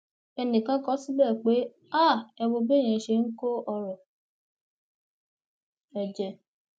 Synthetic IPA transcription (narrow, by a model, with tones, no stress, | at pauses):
ɛ˧nĩ˨kã˨˦kɔ˦si˦bɛ˦˨k͡pe˨˦ | a˦˨ɛ˧wo˧be˦˨j̃ɛ̃˨ʃe˧ŋ̩˦ko˦ɔ˧ɾɔ˨ | ɛ˨d͡ʒɛ˧